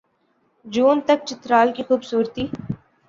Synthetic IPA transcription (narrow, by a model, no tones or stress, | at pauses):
d͡ʒuːnt̪ɐk̚t͡ʃɪt̪ɾaːlkixuːbsuːɾt̪iː